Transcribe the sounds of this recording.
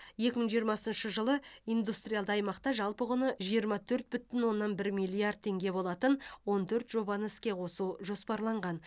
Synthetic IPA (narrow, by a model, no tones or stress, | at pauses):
je̞kʲɪməɴʒijəɾmɑsənʃəʒəlˠəijnd̪ust̪ɾijald̪əɑjmɑqt̪ɑʒɑlˠpəʁʊnəʒijəɾmɑt̪ʰɵɾt̪̚bʏt̪ɪnwo̞nːɑnbɪɾmijlʲijard̪̚t̪ʰːe̞ŋɡʲe̞bo̞lˠɑt̪ənwo̞nt̪ʰɵɾt̪ʒ̥o̞bɑnəɪskʲe̞qʰo̞suʒo̞spɑɾlˠɑɴʁɑn